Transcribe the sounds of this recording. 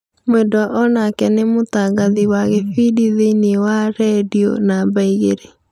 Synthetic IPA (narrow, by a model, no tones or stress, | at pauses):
mwendɔaʔɔnakɛnemotaɡaðiwaɣefidiðeinewaɾɛdio̰nabaiɣeɾe